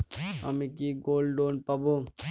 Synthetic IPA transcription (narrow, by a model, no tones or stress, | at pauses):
ɐ̰mikiɡoːlɖoːnpɐbo